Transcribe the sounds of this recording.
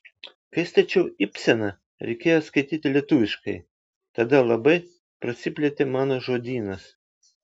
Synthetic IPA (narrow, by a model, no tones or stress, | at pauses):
kɐɪst̪ɐt͡ʃʲɛʊɪpʲsʲɛnɐ | ɾʲɛɪkʲeːjoːskɐɪt̪ʲiːt̪ʲɪlʲiɛt̪ʊʋʲɪʃkɐɪ | t̪ɐd̪ɐlˠɐbɐɪ | pɾɐsʲɪpʲlʲɛt̪ʲemɑːnoːʒoːd̪ʲiːnɐs